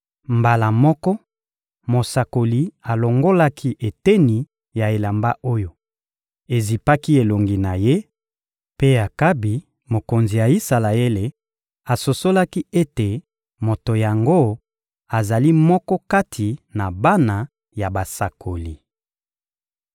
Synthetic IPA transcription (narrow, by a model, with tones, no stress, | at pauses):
mba˨la˨mɔ˦kɔ˦ | mo˨sa˨ko˨li˨a˨lo˨ŋɡo˦la˦kʰi˦ʔe˨te˦ni˨ | ja˨e˨la˨mba˦ʔo˦jo˨ | e˨zi˨pa˦ki˦e˨lo˨ŋɡi˨na˨je˦ | pe˦a˨ka˦bi˨ | mo˨ko˨nzi˨ja˨i˦sa˨la˨e˦le˨ | a˨so˨so˦la˦ki˦e˦te˨ | mo˨to˨ja˨ŋɡo˦ | a˨za˨li˦mɔ˦kɔ˦ka˦tʰi˨na˨ba˦na˨ | ja˨ba˨sa˨kʰo˨li˨